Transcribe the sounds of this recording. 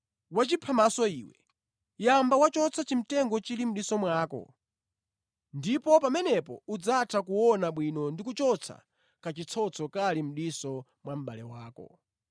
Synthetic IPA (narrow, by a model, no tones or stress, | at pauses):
wat͡ʃipʰamasɔiːwɛ | jambawat͡ʃɔt͡sʰat͡ʃim̩tɛŋɡɔt͡ʃilim̩ɗisɔmwaːkɔ̰ | ndipɔpamɛnɛpɔ̰ud͡zatʰak̬uwɔnaɓwinɔndikut͡ʃɔt͡sʰa̰ | kat͡ʃit͡sʰɔt͡sʰɔkalim̩ɗisɔ | mwam̩ɓalɛwaːkɔ̰